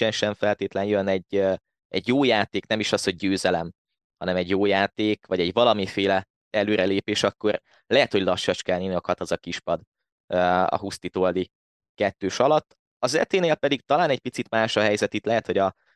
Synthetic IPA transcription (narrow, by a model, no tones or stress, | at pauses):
ɛnʃɛɱfɛlt̪eːt̪lɛnjønɛɟø | ɛɟjoːjaːt̪eːknɛmiʃɒshoɟ̚ːøːzɛlɛm | hɒnɛmɛɟjoːjaːt̪eːkvɒɟɛɟvɒlɒmifeːlɛ | ɛløːɾɛleːpeːʃɒkːo̞r | lɛɦɛt̪ho̞ɟlɒʃːɒt͡ʃkɛlninokʰɒt̪ɒzɒkiʃpɒd̪ | øːɒ̰ɦust̪iːt̪od̪i | kɛt̪ːøːʃɒlɒt̪ː | ɒzɛ̰t̪eːneːlpɛd̪iɡ̚t̪ɒlaːnɛc̚pit̪sit̪maːʃɒɦɛjzɛt̪it̪lɛɦɛt̪ho̞ɟɒ